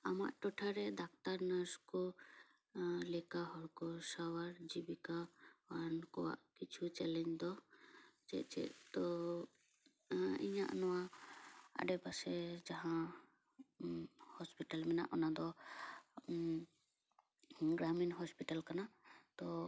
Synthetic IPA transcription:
ama̰ʔʈɔʈʰaɾɛd̪ak̚t̪aɾnəskɔ | lɛkaɦɔɽkɔsawaɾd͡ʒibikaankɔwa̰ʔkit͡ʃʰut͡ʃɛlɛɲd͡ʒd̪ɔ | t͡ʃɛ̰ʔt͡ʃɛ̰ʔt̪ɔ | ḭɲaʔanɔwa | a̰ɖɛpasɛd͡ʒaɦã | hɔspiʈalmɛnaʔɔnad̪ɔ | ɡɾaminɦɔspiʈalkanat̪ɔ

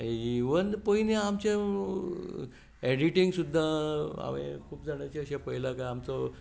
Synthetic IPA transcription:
iʋənpoineamt͡ɕẽ | eɽiʈiŋɡsud̪ʱːaa̰mḛkʰuːpd͡zaɽ̃at͡ɕiəɕẽpəjlakaamt͡sɔ

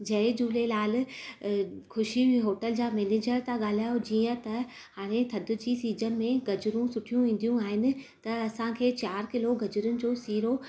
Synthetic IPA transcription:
d͡ʑɐɦɪd͡ʑuːlelaːl̆ | kʊʃiɦoːʈəld͡ʑaːmɛːneːd͡ʑəɾt̪aɠaːl̤aːjod͡ʑiːə̃t̪ɐ | haːɽ̃ẽt̪ʰɐd̪ʱʊ̆d͡ʑiːsiːd͡ʑənɪ̆mẽɡɐd͡ʑʊɾũsʊʈʰijũʋĩːn̆d̪ijũaːɦɪnɪ̆t̪ɐɐsãkʰeːt͡ɕaːɾkɪloɡɐd͡ʑʊɾʊnɪ̆d͡ʑoːsiːɾo

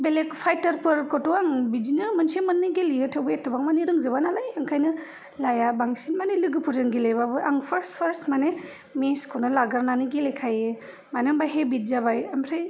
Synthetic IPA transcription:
belekpʰajtɐɾpɯɾkɔtɔaŋbid͡ʒinɯmɯnsemɯnːɯɡeliɯtʰɯwbɯetʰːɯbaŋmaniɾɯŋzɯβanalajaŋkʰajnɯ | lajabaŋsinmanelɯɡɯpʰuɾzanɡelebabɯʔaŋpʰɐɾspʰɐɾsmane | meskʰɯnɯlaɡɯɾnanɯɡelekʰaje | manembajɦebit̚zabajambʰɾaj

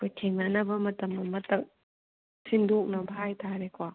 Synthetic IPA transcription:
kojtʰeŋnanɐbɐmɐtɐmːɐmɐtɐk̚ | sindok̚nɐbʱajtʰaɾekʰwa

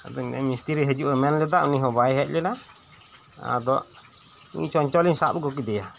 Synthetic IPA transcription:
ad̪ɔnɛ̰mist̪iɾiɦəd͡ʒuʔɛmɛnlɛd̪aʔuniɦɔbaɛɦɛʔ̚lɛna | a̰d̪ɔʔ | ḭt͡ʃɔɲt͡ʃɔliɲsa̰bɡɔk̬id̪ɛja

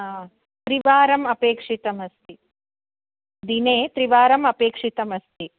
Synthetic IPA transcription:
aː | t̪ɾiʋaːɾɐmɐpeːkʂit̪ɐmɐst̪i | d̪ineːt̪ɾiʋaːɾɐmɐpeːkʂit̪ɐmɐst̪i

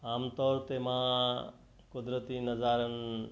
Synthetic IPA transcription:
aːmt̪ɔːɾt̪emã | kʊd̪ɾət̪inɐzaːɾən

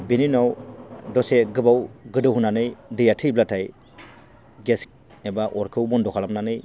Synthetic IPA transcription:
beninawdɔseɡɯbawɡɯdɯɦunanɯjdɯjatʰɯjblatʰaj | ɡes | nebaʔɔɾkʰɯwbɔndɔkʰalamnanɯj

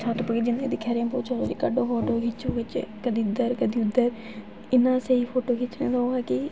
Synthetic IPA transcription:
sʰat̪pəɡeːd͡ʒɪnːḛ̃ːd̪ɪkʰːaːɾeãːpoːt͡ʃoːd̪ɾiːkaːɖõːpʰoːʈoːkʰɪt͡ʃoʋɪt͡ʃkəd̪iːʊd̪əɾkəd̪iːʊd̪ːəɾ | ɪnːãːseiːpʰoːʈoːkʰɪt͡ʃnẽːd̪aoːɛːkɪ

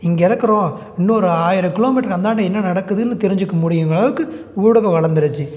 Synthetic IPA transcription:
ɪŋɡɐɪɽɐkːɐɾõː | ɪnːuɔɾɯaːjɪɾɐkɪloːmɪʈːɐɾɐnd̪aːɳɖɐɛnːɐnɐɽɐkːɯðɯnːɯt̪ɛɾɪɲd͡ʒɯkːɐmʊɽɪjɯŋɡɐɭɐʋɯkːɯ | uːɽɐɣɐʋɐɭɐɾnd̪ɯɾɯt͡ʃːɯ

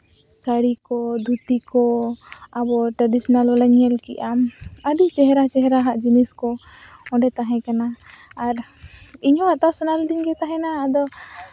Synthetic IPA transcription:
saɽikɔd̪ʱut̪ikɔabɔʈɾaɖisɔnalɔləɲɦɛlkḭʔaməɖit͡ʃɛɦɛɾat͡ʃɛɦɾaɦaʔd͡ʒiniskɔɔ̃ɖɛt̪aɦɛ̃kanaːɾ | iɲɔat̪asɔnald̪iɲɡɛt̪aɦɛ̃naːd̪ɔ

